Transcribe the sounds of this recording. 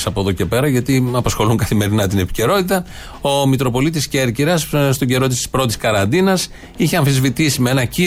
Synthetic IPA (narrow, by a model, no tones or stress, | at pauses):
sɐpoðo̞ce̞pe̞ɾɐʝɐt̪iɐpɐsxo̞luŋkɐθime̞ɾinɐt̪ine̞pi̥ce̞ɾo̞t̪it̪ɐ | o̞mit̪ɾo̞po̞lit̪̬isceːɾciɾɐsst̪o̞ɟe̞ɾo̞t̪ist̪i̥spɾo̞t̪i̥skɐɾɐnd̪inɐs | içeɐɱfizvit̪isimeenɐci